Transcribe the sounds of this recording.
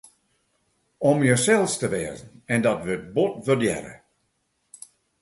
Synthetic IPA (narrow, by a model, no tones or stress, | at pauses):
ɔmjəsɛlˠstəʋɛːzn̩ɛndɔtʋət̚botʋərdjɛ̰ɾə̰